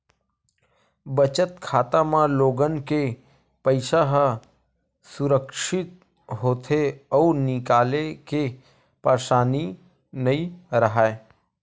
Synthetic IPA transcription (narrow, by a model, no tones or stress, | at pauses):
bət͡ʃət̪̚kʰaːt̪ãmãloːɡənke | pəɪʃaɦə | sʊɾəkʃɪt̪̚ | ɦoːt̪ʰeɔːɾnɪkaːleke | paːʃaːni | nɐiɾəɦaːe